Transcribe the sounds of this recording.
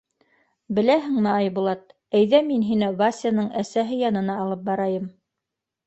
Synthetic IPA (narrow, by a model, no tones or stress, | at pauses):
bɘ̆læɦɘŋmɘɑjbulˠɑt̪̚ | æjðæminɦinɘβasʲanɤɴʔæsæɦɘjɑnɤ̆nɑːlˠɤp̚bɑɾɑjɤm